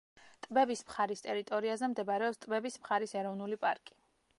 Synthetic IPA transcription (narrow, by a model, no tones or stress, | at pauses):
t̪ʼbɛbismχaɾist̪ʼɛɾit̪ʼɔɾiazɛmd̪ɛbaɾɛɔpst̪ʼbɛbismχaɾisɛɾɔvnulipʼaɾkʼi̥